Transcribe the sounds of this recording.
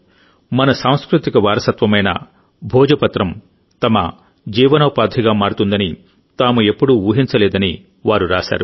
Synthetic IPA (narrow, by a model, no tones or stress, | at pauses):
mɐnɐsaːw̃skɾut̪ikɐʋaːɾɐsɐt̪ʋɐmɐjnɐ̰ | bʱɔːd͡ʒɐpɐt̪ɾɐm | t̪ɐmɐ̰ | d͡ʒiːʋɐnɐʋɐpaːd̪ʱiɡaːmaːɽut̪und̪ɐni | t̪aːmue̞pːuɽuuːɦint͡ʃɐlɛːd̪ɐni | ʋaːɾuɾaːʃa̰ːɾu